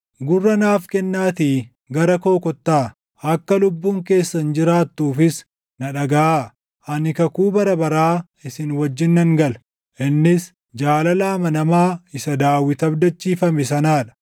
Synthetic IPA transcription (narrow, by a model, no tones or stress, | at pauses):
ɡʊrːɐnaːfkɛnːaːt̪iː | ɡɐɾɐko̞ːkɔt̪ːaː | ɐkːɐlʊbːuːŋke̞ːsːɐnd͡ʒɪɾaːt̪ːuːfɪs | nɐᶑɐɡɐaː | ʔɐnɪkɐkuːbɐɾɐbɐɾaː | ɪsɪnwɐd͡ʒːɪnːɐŋɡɐl | ʔɪnːɪs | d͡ʒaːlɐlaːmɐnɐmaːɪsɐd̪aːwːɪt̪ɐbd̪ɐt͡ʃːiːfɐmɛsɐnaːᶑɐ̥